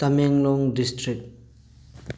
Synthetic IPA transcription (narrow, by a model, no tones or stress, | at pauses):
t̪ameŋlɔŋdistʰɹik̚